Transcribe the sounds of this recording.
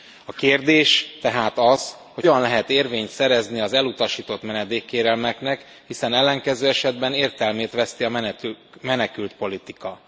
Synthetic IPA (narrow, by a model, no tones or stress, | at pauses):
ɒkeːrd̪eːʃt̪ɛɦaːt̪ɒz | hoɒnlɛɦɛt̪eːrveːɲt̪sɛɾɛzniɒzɛlut̪ɒʃiːt̪o̞t̪mɛnɛd̪eːkːeːɾɛlmɛknɛk | hisɛnɛlːɛŋkɛzøːɛʃɛd̪bɛneːrt̪ɛlmeːt̪ʋɛst̪iɒmɛ | mɛnɛkylt̪po̞lit̪ikɒ